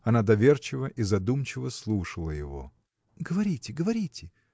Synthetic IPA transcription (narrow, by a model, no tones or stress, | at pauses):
ɐnad̪ɐvʲert͡ɕɪvəʔizɐd̪umt͡ɕɪvəslˠuʂəlˠəjɪ̰vo̞̰ | ɡəvɐɾʲitʲɪɡəvɐɾʲitʲɪ